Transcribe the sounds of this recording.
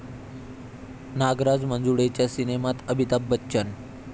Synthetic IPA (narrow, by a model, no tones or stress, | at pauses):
naɡɾad͡zmənd͡zuɽet͡ɕjasinemat̪əbʱit̪abːətːɕən